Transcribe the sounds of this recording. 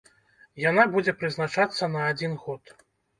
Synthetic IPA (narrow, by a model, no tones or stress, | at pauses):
janabud͡zʲɛpɾɨznat͡ʂat̪sːɐnɐːd͡zʲinɣɔt̪